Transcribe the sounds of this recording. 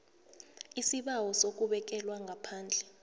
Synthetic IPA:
isiɓawɔsok̬ʼuɓɛk̬ɛlwaŋɡʱapʰaːnd͡ɮʱɛ

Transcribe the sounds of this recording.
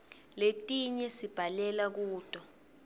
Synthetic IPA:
letʼiɲɛsib̥ʱalɛlak̬uːd̥ʱʼɔ

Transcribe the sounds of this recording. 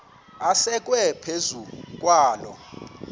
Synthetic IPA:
asɛk̬ʼwɛpʰezuk̬ʼwaːlɔ̰

